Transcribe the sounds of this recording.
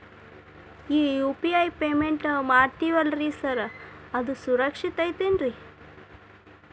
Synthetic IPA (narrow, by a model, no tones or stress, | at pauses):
iːjuːpiɐjpeːmeɳʈmaːɾt̪iʋɐlɾisɐɾɐɐd̪usuɾɐkʂit̪ɐjt̪inɾi